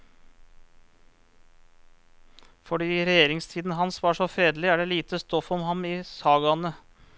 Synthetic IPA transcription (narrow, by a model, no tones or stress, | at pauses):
fɔɖiːɾɛjeːɾɪŋst̪ʰiːd̪n̩ɦɑnsʋɑʂɔfɾeːd̪lɪæːɖeːliːt̪əst̪ɔfɔmhɑmɪːsɑːɡɑnə